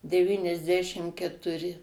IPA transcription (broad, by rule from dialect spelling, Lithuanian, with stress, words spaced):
dʲɛˌʋʲiːnʲɛzʲˈdʲæːʃʲɪm kʲɛtʊˈrʲɪ